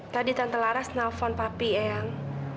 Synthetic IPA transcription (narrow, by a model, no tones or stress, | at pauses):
t̪adit̪ant̪əlaɾasnalfɔnpapiɛaŋ